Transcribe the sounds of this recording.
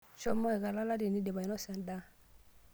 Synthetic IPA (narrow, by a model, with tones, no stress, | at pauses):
t͡ʃɔ˦mɔ˦ɛ˨ka˨la˦la˦di˨ni˦dɛ˨ba˨jnɔ˦sa˨nda˦